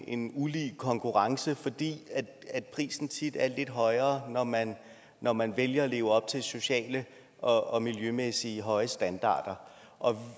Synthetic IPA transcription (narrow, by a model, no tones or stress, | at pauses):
e̝nuliːkʰɒ̽ŋkʰuʁɑ̈ŋsəfɒ̽d̥ḭːæd̥æ̥pʰʁḭːsn̩t͡sʰid̥æɐle̝d̥ɦɒ̽ɪɐːnɒmænː | ɒmænʋeljɐɒle̝ːʊɒ̽b̥̚t͡sʰe̝lso̝ɕɛ̰ːlə | ʔɒ̽ɒ̽miljømesiəɦɒ̽ɪəsd̥ænd̥ɑ̰̈ːd̥ɐ | ʔɒ̽